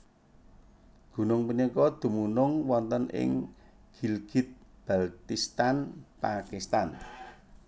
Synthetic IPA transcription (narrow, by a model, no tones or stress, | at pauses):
ɡ̥ṳnʊŋpunikɔd̪̥ṳmunʊŋwɔnt̪ənɪ̰ŋ | ɡ̥ilɡ̥i̤t̪̚b̥alt̪ist̪anpakist̪an